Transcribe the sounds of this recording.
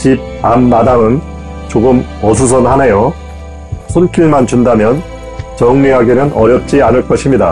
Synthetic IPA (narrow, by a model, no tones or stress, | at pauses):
t͡ɕib̚amːadaŋɯn | t͡ɕoɡɯm | ʌsʰus̬ʰʌnhanejo | sʰonk͈ʰiɭmant͡ɕundamjʌn | t͡ɕʌŋɲiɦaɡenɯnʌɾjʌp̚t͡ɕ͈ianɯɭk͈ʌɕʰimɲida